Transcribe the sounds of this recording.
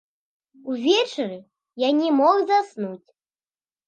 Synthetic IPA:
uvʲɛt͡ʂɨɾɨ | janʲɛmɔɣzasnut͡sʲ

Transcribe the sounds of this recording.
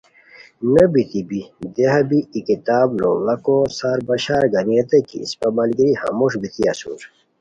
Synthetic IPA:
nɐbit̪ibid̪eɦɐbiːkit̪aːblo̰lɐkosaɾbɐɕaːɾɡɐnet̪ɐkḭːspɐmɐlɡiɾihɐ̰moʂbit̪iɐsṵɾ

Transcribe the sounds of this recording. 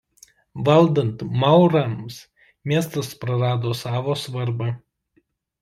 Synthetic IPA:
ʋɐlˠd̪ɐnt̪mɐˑʊɾɐms | mʲiɛst̪ɐspɾɐɾɑːd̪oːsɑːʋoːsʋɐɾbɐ

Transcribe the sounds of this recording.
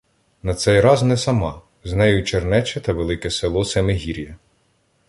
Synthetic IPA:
nɐt̪sɛjɾɑznɛsɐmɑ | znɛjʊt͡ʃernɛt͡ʃɛt̪ɐʋelˠɪkɛselˠɔsɛmeɦʲiɾʲjɐ

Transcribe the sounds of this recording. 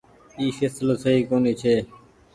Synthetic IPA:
iːseːsloːsəɦiːkoːniːt͡ʃʰeː

